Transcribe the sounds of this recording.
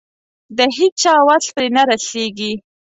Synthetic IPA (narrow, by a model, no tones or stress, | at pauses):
d̪əɦit͡ʃɑwapɾenaɾaseɡi